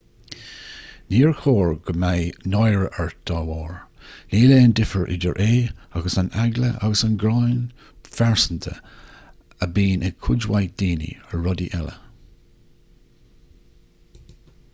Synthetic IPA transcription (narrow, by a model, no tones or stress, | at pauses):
niːɹxoːɹɡ̥əmajnɔjɹəʔəɹd̪̥ɑwɔːɹliːleːəndɪfəɹʔɪ̰də̰ɹʔeːaɡəsanaɡləʔa̰ɡəsanɡɾɑjn | faɹsənt̪ʰə̰ | əbiːnʔəkʰʊd͡ʒwajd̪̥iːnḭəɹɔdiʔɛlə̰